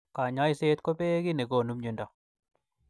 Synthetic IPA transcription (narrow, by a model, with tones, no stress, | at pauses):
ka˨ɲa˦i˦se˦t̪ko˦pe˦ki˦nɛ˨ko˨nu˦mɲu˨nda˨